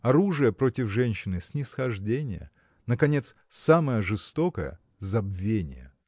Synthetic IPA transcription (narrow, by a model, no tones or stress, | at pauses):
ɐɾuʐɨjəpɾo̞tʲɪfʐɛnʲɕːɪnɨsʲnʲɪsxɐʐdʲenʲɪjə̰ | nəkɐnʲe̞t̪s | saməjəʐɨst̪o̞kə̰jə̰ | zɐbvʲenʲɪ̰jə̰